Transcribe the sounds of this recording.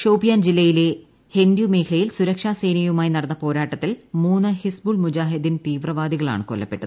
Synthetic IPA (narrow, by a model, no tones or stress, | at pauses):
ʂowbijaːnd͡ʑilːɐjile̞ | hend̪jume̞ːkʰilɐjilsuɾɐkʂaːse̞ːjnɐjumaːjnɐɽɐnːɐpo̞ːɾaːʈːɐt̪ːilmuːnːɨhisbuːlmud͡ʑaːɦid̪int̪iːʋrɐʋaːd̪iɣɐɭa̰ːɳɨkolːɐpːe̞ʈːɐðɨ